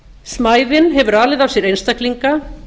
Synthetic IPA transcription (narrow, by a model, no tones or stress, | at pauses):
smaːjðɪnɦɛvʏɾaːlɪðav̥sjɛɾejnst̪akliŋka